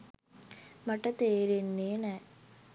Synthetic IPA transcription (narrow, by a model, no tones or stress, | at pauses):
mɐʈːɐt̪eːɾenːeːnɛ